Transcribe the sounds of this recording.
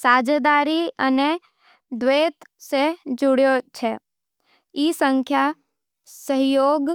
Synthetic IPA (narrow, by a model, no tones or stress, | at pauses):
saːd͡ʒd̪aːɾiəne | d̪ʋeːt̪sed͡ʒʊɽjot͡ʃʰe | isə̃ŋkʰja | səɦjoːɡ